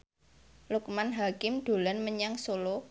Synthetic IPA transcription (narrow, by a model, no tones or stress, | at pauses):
luk̚manɦakɪmɖ̪̥o̤lanməɲaŋsolo